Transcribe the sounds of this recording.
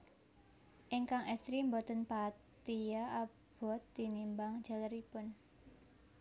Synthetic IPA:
ʔiŋkaŋɛst̪ɾimbɔt̪ənpat̪iaa | b̥ɔt̪̚ːinimbaŋ̥d͡ʒ̥aləɾipʊn

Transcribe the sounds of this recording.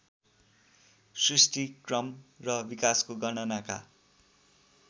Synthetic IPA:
srisʈikrʌmrʌbikaskoɡʌnʌnaka̰

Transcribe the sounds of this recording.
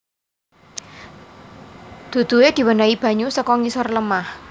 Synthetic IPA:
d̪̥ṳd̪̥ṳwed̪̥i̤wənaib̥ä̤ɲusəkɔŋisɔrləmah

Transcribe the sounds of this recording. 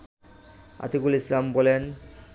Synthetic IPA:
a̰t̪ikulislambɔlen

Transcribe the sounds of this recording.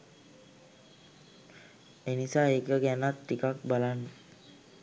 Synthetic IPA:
enisaekəɡɛnat̪ːikak̚balan

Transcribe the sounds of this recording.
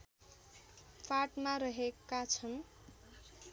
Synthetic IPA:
pʰaʈmaɾʌɦekːat͡sʰʌn

